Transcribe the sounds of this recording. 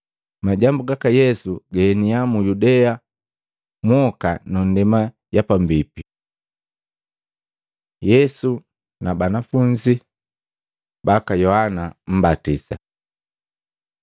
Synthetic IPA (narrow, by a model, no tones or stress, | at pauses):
maɟambuɡakajɛsuɡɛɛniamujudɛa | mwɔkanɔn̩dɛma | ɟapambipi | jɛsu | nabanafuɲd͡ʒi | bakajɔhanam̩batisa